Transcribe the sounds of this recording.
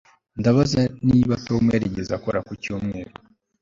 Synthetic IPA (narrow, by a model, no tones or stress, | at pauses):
ndaβazaniβatomweɾeɟezakoɾakucoːmŋeːɾo